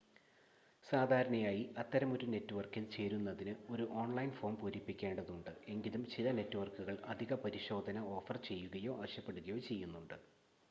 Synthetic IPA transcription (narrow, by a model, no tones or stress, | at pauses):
saːd̪ʱaːɾɐɳɐjaːjiʔɐt̪ːɐɾɐmoɾune̞tːuʋɐrkilt͡ɕe̞ːɾunːɐðinɨo̞ɾuʔo̞ːɳlɐjnfo̞ːmpuːɾipːikʲːe̞ːɳɖɐðuɳɖɨe̞ŋɡilumt͡ɕilɐne̞tːuʋɐrkuɣɐɭʔɐd̪ʱiɣɐpɐɾiɕo̞ːd̪ʱɐnɐo̞ːfɐrt͡ɕe̞jːuɣɐjo̞ːʔɐʋɐɕjɐpːe̞ɽuɣɐjo̞ːt͡ɕe̞jːunːuɳɖɨ